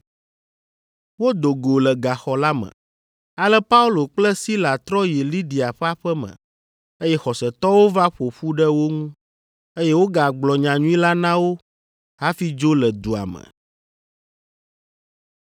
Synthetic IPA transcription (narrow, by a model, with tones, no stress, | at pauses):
wo˦d̪o˨ɡo˨lɛ˨ɡa˨xɔ˨la˦mə̰̃˨ | a˨lɛ˦pa˦u˦lo˨k͡plɛ˦si˦la˨t̪ɾɔ˦ji˨li˦ɖi˨a˨ɸɛ˦a˦˨ɸɛ˦mə̰̃˨ | e˦jɛ˦xɔ˨sɛ˨t̪ɔ˦wo˦va˦ɸo˨ɸu˦ɖɛ˦wo˦ŋũ˦ | e˦jɛ˦wo˦ɡa˨ɡ͡blɔ˨ɲã˨ɲũ˦ĩ˦la˦nã˦wo˦ | ɦa˦fi˦d͡ʒo˦lɛ˨d̪u˨a̰˨mə̰̃˨